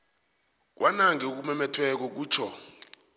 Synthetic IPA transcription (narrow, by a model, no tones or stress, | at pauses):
k̬wʔanaŋɛok̬umɛmɛtʰwɛk̬ɔk̬uːt͡ʃʰɔ